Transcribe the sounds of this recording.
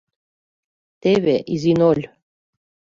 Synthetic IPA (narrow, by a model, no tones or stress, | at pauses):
t̪eβeʔizinolʲ